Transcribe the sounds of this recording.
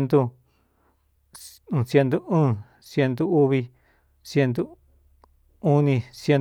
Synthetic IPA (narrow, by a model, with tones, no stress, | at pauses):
nt̪o˧˨ | sje˧nd̪o˧ũː˦˨ | sje˧nt̪u˧u˦βi˧ | sje˧nt̪o˦ | u˦nĩ˧sje˧n